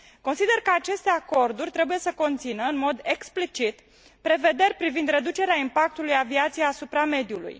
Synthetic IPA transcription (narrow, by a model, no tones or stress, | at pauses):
ko̞nsid̪e̞rkəat͡ʃe̞st̪e̞ako̞rd̪urʲt̪ɾe̞buje̞səko̞nt̪sinəɨnmo̞d̪e̞ksplit͡ʃit̪ | pɾe̞ve̞d̪e̞rʲpɾivind̪ɾe̞d̪ut͡ʃe̞ɾeaimpak̚t̪ulujaviat̪sijeasupɾame̞d̪julṵj